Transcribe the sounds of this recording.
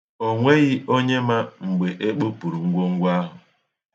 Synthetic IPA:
o˨ŋʷe˦ɣɪ˦ʔo˦ɲe˦ma˦ŋ͡m̩˨ɡ͡be˨ʔe˦k͡po˦pu˨ɾu˨ŋ̩˦ɡʷo˦ŋ̩˦ɡʷa˦ɦʊ˨

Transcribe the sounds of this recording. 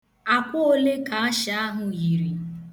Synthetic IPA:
a˨kʷʊ˦o˦le˦ka˨a˦ʃa˦ɦʊ˨ji˨ɾi˨

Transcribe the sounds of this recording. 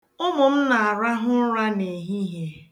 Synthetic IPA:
ʊ˦mʊ˨m̩˦na˨a˨ɾa˦ɦʊ˦ɾa˦ne˨ɦi˦ɦe˦

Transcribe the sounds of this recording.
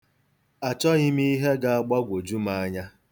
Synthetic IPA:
a˨t͡ʃɔ˦ɣɪ˦mi˦i˦ɦe˦ɡa˦a˨ɡ͡ba˦ɡʷo˨d͡ʒu˦ma˦a˦ɲa˦

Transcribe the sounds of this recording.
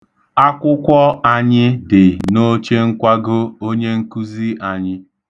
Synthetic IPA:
a˦kʷʊ˦kʷɔ˦a˨ɲɪ˦dɪ˨no˦t͡ʃe˦ŋ̩˦kʷa˦ɡʊ˦o˦ɲe˦ŋ̩˦ku˦zi˦a˨ɲɪ˦

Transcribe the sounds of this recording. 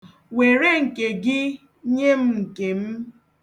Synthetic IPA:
we˨ɾe˦ŋ̩˨ke˨ɡɪ˦ | ɲe˦m̩˦ŋ̩˨ke˨m̩˦

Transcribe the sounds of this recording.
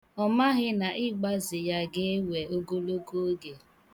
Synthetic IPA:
ɔ˦ma˦ɣɪ˦na˨ʔɪ˦ɡ͡ba˦zɪ˨ja˦ɡe˦we˨o˦ɡo˦lo˦ko˦ɡe˨

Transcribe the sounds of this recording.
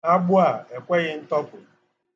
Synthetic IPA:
a˦ɡ͡bʊ˦a˨e˨kʷe˦ɣɪ˦n̩˦tɔ˦pʊ˨

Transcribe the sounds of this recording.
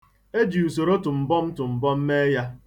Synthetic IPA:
e˦d͡ʒi˨u˨so˨ɾo˦tʊ˨m̩˨bɔ˦m̩˦tʊ˨m̩˨bɔ˦m̩˦me˦ja˦

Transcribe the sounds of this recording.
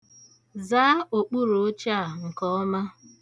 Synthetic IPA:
zaː˦o˨k͡pu˦ɾo˨o˦t͡ʃa˦˨ŋ̩˨kɔ˦ma˦

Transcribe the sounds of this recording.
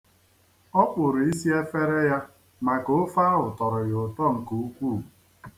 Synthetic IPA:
ɔ˦k͡pʊ˨ɾi˦si˦e˦fe˦ɾe˦ja˦ | ma˨ko˨ʊ˦fa˦ʊ˨tɔ˨ɾɔ˨jʊ˨tɔ˦˨ŋ̩˨ku˨u˦kʷu˦˨

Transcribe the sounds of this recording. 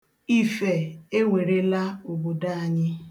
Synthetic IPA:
i˦fe˨e˦ŋʷe˨ɾe˦la˦o˨bo˨da˦a˨ɲɪ˦

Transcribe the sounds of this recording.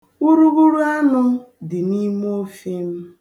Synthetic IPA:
u˦ɾu˦ɣu˦ɾu˦a˦nʊ˦ | dɪ˨ni˦m˦o˦fi˦m̩˦

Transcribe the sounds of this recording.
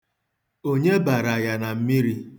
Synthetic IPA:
o˦ɲe˦ba˨ɾa˨ja˨na˨m̩˦mi˦ɾi˦

